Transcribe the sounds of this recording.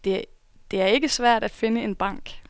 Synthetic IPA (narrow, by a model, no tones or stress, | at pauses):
d̥e̝ | d̥e̝æɐe̝ɡ̥əsʋæɐ̰d̥æd̥fe̝nəe̝nb̥ɑ̈ŋ̰ɡ̥